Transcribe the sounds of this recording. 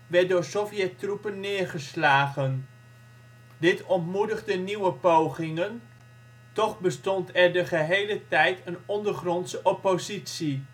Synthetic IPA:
ʋɛdʊːɹsofjɛtrupənːɪːɹχəslaːχən | dɪtɔntmudəχdəniwəpowχɪŋən | tɔχbəstɔntɛɹdəχəɦejlətɛjtʰənɔndəɹχrɔntsəʔɔpozitsi

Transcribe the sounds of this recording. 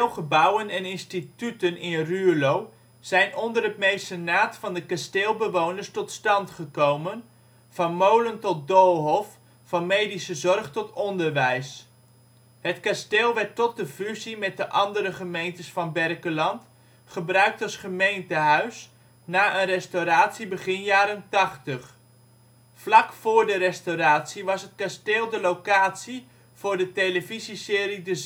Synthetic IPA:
lˠχəbʌwənɛnɪnstitytənɪnrylow | z̥ɛjnɔndərɦət̚mejsənaːtfɑndəkasteːlˠbəʋownəɹstɔtstɑntχəkowmən | v̥ɑnmowləntɔt̚dolˠɦɔf | fɑnmejdisəzɔrχtɔtɔndəɹʋɛjs | ɦətkasteːlˠʋɛɹtːɔt̚dəfyzimɛt̚dəʔɑndəɾəχəmejntəsfɑnbɛrkəlɑnt | χəbrœɥk̚tɑlˠsχəmejntəɦœɥs | naːʔənrɛstowɾaːtsibəχɪnjaːɾəntɑχtəχ | flɑkfʊːɹdəɾɛstoɾaːtsiʋɑsɦət̚kasteːlˠdəlowkaːtsi | v̥ʊːɹdətejləvizisɪːɾidə

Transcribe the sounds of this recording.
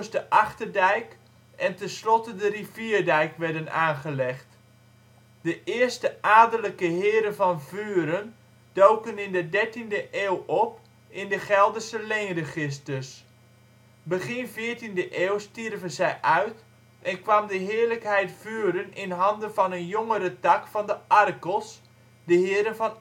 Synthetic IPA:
sdəʔɑχtərdɛjk | ʔɛntɛnslɔtədəriviːrdɛjkʋɛɹdənaːnχəlɛχt | d̥əʔɪːəstəʔaːdələkəɦɪːəɾəvɑnvyːɾən | d̥owkənɪndədɛɹtindəʔeːwɔp̚ | ɪndəχɛlˠdəsəlejnrəχɪstərs | bəχɪnvɪːɹtindəʔeːwstirvənzɛjʔœɥt | ʔɛnkʋamdəɦɪːɹləkɦɛjtfyːɾənɪnɦɑndənvɑnənjoŋəɾətɑkfɑndəʔɑrkəlˠs | dəɦɪːɾənvɑn

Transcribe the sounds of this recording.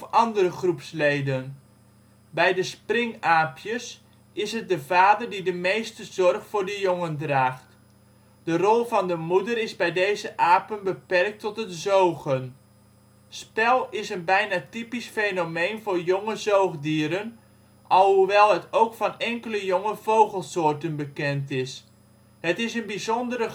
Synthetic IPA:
ɔfɑndərəχrupslejdən | bɛjdəsprɪŋaːpʰjəs | ɪsɦət̚dəvaːdərdidəmejstəzɔrχfʊːɹdəjʊŋəndraːχt | d̥ərɔlˠvɑndəmudərɪzbɛjdejzəʔaːpənbəpɛrk̚tɔtɦətzowɣən | spɛlˠɪsənbɛjnaːtipisfejnomejnvʊːrjoŋəzowχdiːəɾən | ʔɑlˠɦuʋɛlˠɦətowkfɑnɛŋkələjoŋəv̥owχəlˠsoːrtənbəkɛntɪs | hətɪsənbizɔndərə

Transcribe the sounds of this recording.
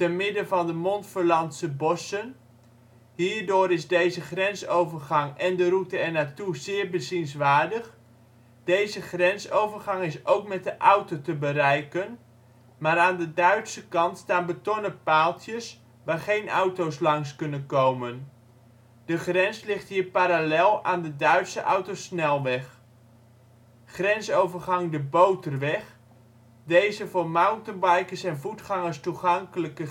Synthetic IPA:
tənmɪdəvɑndəmɔntfəɹlɑntsəbɔsən | ɦiːɹdʊːɾɪzdejzəχrɛnsowvəɹχɑŋɛndəɾutəɛɹnaːtuzɪːɹbəzinsʋaːɹdəχ | d̥ejzəχrɛnsowvəɹχɑŋɪsʔowk̚mɛt̚dəʔɑwtotəbəɾɛjkən | maːɾaːndədœɥtsəkɑntstaːnbətɔnəpaːlˠtjəs | ʋaːɹχejnʔɑwtowslɑŋskɵnənkowmən | d̥əχrɛnslɪχtɦiːɹpaɾalɛlˠaːndədœɥtsəʔɑwtosnɛlˠʋɛχ | χrɛnsowvərχɑŋdəbowtərʋɛχ | dejzəvʊːɹmawntənbɑjkəsɛnvutχɑŋəstuχɑŋkələkə

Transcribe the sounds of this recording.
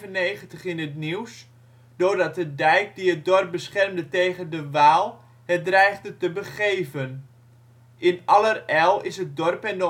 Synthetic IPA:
vənːejχəntəχɪnətniws | d̥ʊrdɑt̚dədɛjk̚diət̚dɔrp̚bəsχɛrmdətejɣəndəʋaːlˠ | hət̚drɛjχdətəbəχeːvən | ʔɪnɑlərɛlˠɪsɦət̚dɔrpɛndo

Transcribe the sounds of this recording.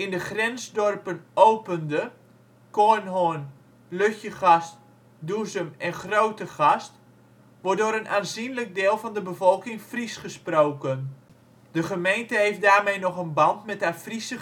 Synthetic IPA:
ɪndəxrɛnzdɔrpənowpəndə | konɦoən | løxjəxɑst | duzəmɛnχrowtəχɑst | ʋʊdoəɾənʔaːnzinlək̚deːlˠvɑndəbəvɔlˠkɪŋfrisχəsproːkən | d̥əχəmejntəɦejfdaːrmejnɔχənbɑntmɛthafrisə

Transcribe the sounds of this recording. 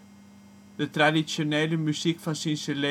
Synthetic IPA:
d̪̥ət̪ɾadisjoneːləmysikfɑnsinsəle

